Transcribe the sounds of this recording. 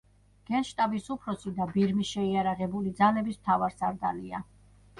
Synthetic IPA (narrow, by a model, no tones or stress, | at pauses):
ɡ̥ɛnʃt̪ʼabisupʰɾɔsid̪abiɾmiʃɛiaɾaʁɛbulid̪zalɛbismt̪ʰavaɾsaɾd̪alia